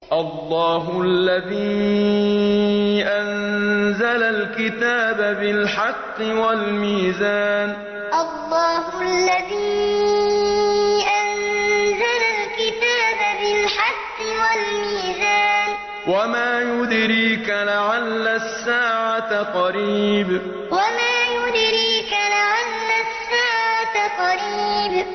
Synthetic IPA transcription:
ʔɑlˤːɑːɦʊʔaalːaðiː | ʔanzalalkɪt̪aːbabɪlħɑqːɨwalmiːzaːn | ʔɑlˤːɑːɦʊʔalːaðiː | ʔanzalalkɪt̪aːbabɪlħɑqːɨwalmiːzaːn | wamaːjʊd̪ɾiːkalaʕalːasːaːʕat̪qɑɾiːb | wamaːjʊd̪ɾiːkalaʕalːasːaːʕat̪qɑɾiːb

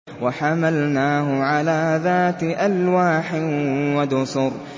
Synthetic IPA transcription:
waħamalnaːɦʊʕalaːðaːt̪ɪʔalwaːħɪwad̪ʊsʊɾ

